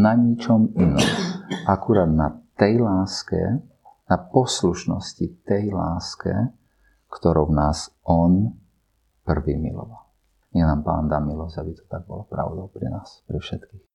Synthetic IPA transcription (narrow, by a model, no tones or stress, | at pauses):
naɲit͡ʃɔminɔ̰mʔakuɾaːd̪nat̪ɛjlaːskɛ̰ | napɔsluʃnɔ̰scit̪ɛjlaːskɛ̰ | kt̪ɔɾɔʊnaːsɔn | pr̩ʋiːmḭlɔ̰ʋal | jɛnaːmpa̰ːnd̪aːmilɔzabit̪ɔ̥t̪aɡ̚bɔ̰lɔpɾa̰ʊd̪ɔʊpɾḭnaːspɾɛfʃɛt̪kiːx